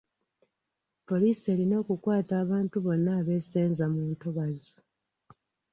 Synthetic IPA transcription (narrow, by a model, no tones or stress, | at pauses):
po̞liːse̞ːlino̞ːkukwaːtaːβaːntuβo̞nːaːβe̞seːnzamuːntoβazi